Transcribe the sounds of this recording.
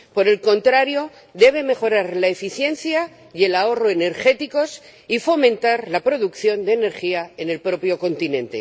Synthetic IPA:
po̞ɾe̞lko̞nt̪ɾaɾjo̞ | ðe̞β̞e̞me̞χo̞ɾaɾlae̞fiθje̞nθja | je̞lao̞ro̞ene̞ɾχe̞t̪iko̞s | ifo̞mẽ̞nt̪aɾlapɾo̞ðukθjo̞nd̪e̞ːne̞ɾχiae̞ne̞lpɾo̞pɾjo̞ko̞nt̪inẽ̞nt̪ḛ

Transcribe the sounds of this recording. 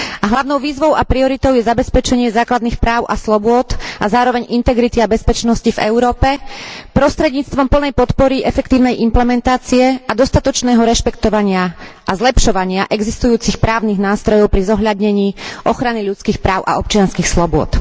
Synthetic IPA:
ɦlaʊnɔʊʋiːzʋɔʊʔapɾiɔɾit̪ɔʊjɛzabɛspɛt͡ʃɛɲɪɛzaːklad̪nixpɾaːʊʔa̰slɔbʊɔt̪azaːɾɔʋɛɲʔint̪ɛɡɾit̪iabɛspɛt͡ʃnɔscivɛ̰ʊɾɔːpɛpɾɔst̪ɾɛd̪ɲiːt͡st̪ʋɔmpl̩nɛjpɔt̪pɔɾiʔɛfɛkt̪iːʊnɛjʔimplɛmɛnt̪aːt͡siɛad̪ɔst̪at̪ɔt͡ʃnɛːɦɔɾɛʃpɛkt̪ɔʋaɲɪaʔazlɛpʃɔʋaɲɪaʔɛɡzist̪ujuːt͡sixpɾaːʊniɣnaːst̪ɾɔjɔʊpɾizɔɦʎad̪ɲɛɲiːʔɔxɾaniʎut͡skiːxpɾaːʊʔa̰ɔp̚t͡ʃɪanskixslɔbʊɔ̰t̪

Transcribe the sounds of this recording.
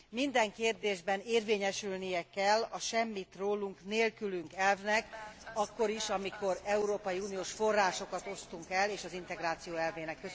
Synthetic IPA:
mind̪ɛŋkeːrd̪eːʒbɛneːrveːɲɛʃylnijɛkɛlːɒʃɛmːit̪roːluŋkneːlkylyŋkɛlvnɛkɒkːo̞ɾiʃɒmiko̞ɾɛuɾoːpɒjiuːnijoːʃfo̞rːaːʃo̞kɒt̪o̞st̪uŋkɛleːʃɒzint̪ɛɡraːt̪sijoːɛlveːnɛkːø

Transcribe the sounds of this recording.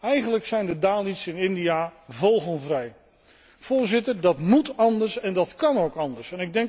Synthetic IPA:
ɛjχənləksɛjndədaːlitsɪnɪndijaːvolˠχənvrɛj | v̥ʊːɹzɪtəɹdɑtmutɑndəɹsɛndɑtkɑnowkɑndəɹsɛnɪɡ̚dɛŋ

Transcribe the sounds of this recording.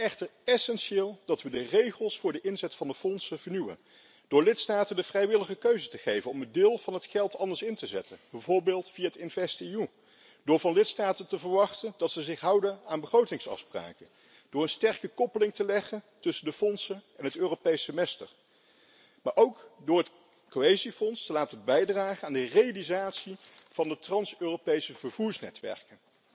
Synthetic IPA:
ɛχtəɹɛsɛnʃɪːlˠd̥ɑtʋədərejχəlˠsfʊːɹdəʔɪnzɛtfɑndəfɔnsəvəɹnywə̰n | d̥ʊːɹlɪtstaːtəndəvrɛjʋɪləχəkøɥzətəχejvənɔməndɪːlˠv̥ɑnɦətχɛlˠtɑndəɹsɪntəzɛ̰tənbɛjvoːɹbeːlˠtfijaətɪnvɛstiju | dʊːɹvɑnlɪtstaːtəntəvəɹʋɑχtəndɑtsəzɪχɦɑwdəaːnbəχrowtɪŋsɑ̰fspra̰ːkən | dʊːɹənstɛɹkəkɔpəlɪŋtəlɛχəntɵsəndəfɔnsənɛnɦətøːropejsəmɛstə̰ɹ | maːɹʔowkdʊːɹɦət | koɦejzifɔnstəlaːtəbɛjdraːχənaːndərejlizaːtsiv̥ɑndətrɑnsøːropejsəv̥əɹv̥uːɹsnɛ̰tʋɛ̰ɹkən

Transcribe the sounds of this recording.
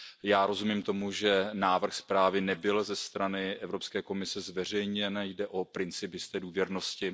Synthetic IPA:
jaːɾo̞zumiːmt̪o̞muʒɛnaːvr̩xspɾaːvɪnɛbɪlzɛst̪ɾanɪʔɛvɾopskɛːko̞mɪsɛzvɛr̝ɛjɲɛnajdɛʔo̞pɾɪnt͡sɪpjɪst̪ɛːduːvjɛɾno̞scɪ

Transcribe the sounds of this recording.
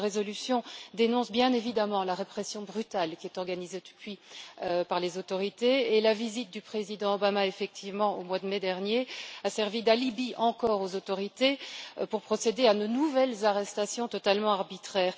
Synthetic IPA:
ʁezɔlysjɔ̃d̪enɔ̃sbjɛ̃nevid̪amɑ̃laʁepχɛsjɔ̃bʁyt̪alkʲiɛt̪ɔʁɡanized̪ə̥pɥiøpaʁlezot̪ɔʁit̪eːlavizit̪̚d̪ypχezid̪ɑ̃obamaefɛk̚t̪ʰivmɑ̃omwad̪əmɛd̪ɛʁnjeasɛʁvid̪alibiʔɑ̃kɔʁozot̪ɔʁit̪epuʁpχɔsed̪ead̪ənuvɛlzaʁɛst̪asjɔ̃t̪ɔt̪almɑ̃aʁbit̪χɛːʁ

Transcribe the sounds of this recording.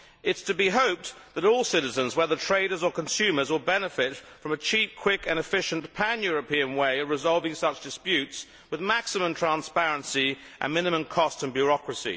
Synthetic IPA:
ɪtstʰɨbiɦoʊp̚ðəɾɔlˠsɪɾɨzə̃nzwɛðə˞tʰɹ̥eɪɾə˞zəkə̃n̩sʉmə˞zwəlˠbɛnɨfɪtfɹʌ̃mɨt͡ʃʰip̚kʰw̥ɪkɨ̃ñɨfɪʃɨ̃npʰæ̃njʊɹɨpʰĩɨ̃nweɪʌvɹɨzɑlˠvɪ̃ŋsʌt͡ʃd̥ɨspjʉts | wɨðmæksɨmə̃mtʰɹ̥æ̃nspæɹə̃nsi | ʔə̰̃nmɪ̃nɨmə̃mkʰɔstə̃nbjʊɹɑkɹɨsḭ

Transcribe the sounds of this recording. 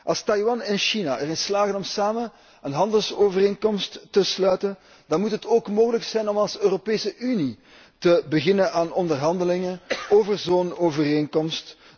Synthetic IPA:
ʔɑlˠstɑjwɑnɛnʃina̰ɛrɪnslaːɣənɔmsaːmən | ənɦɑndəlˠsoːvəreːŋkɔmstːəslœɥtən | dɑnmutɦətoːkmoːɣələksɛjnɔmɑlˠsøːropeːsəʔyni | təbəɣɪnənaːnɔndərɦɑndəlɪŋənoːvərzoːnoːvəreːŋkɔmst

